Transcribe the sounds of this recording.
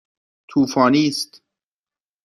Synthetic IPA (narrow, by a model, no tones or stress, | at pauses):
t̪ʰuːfɒːniːst̪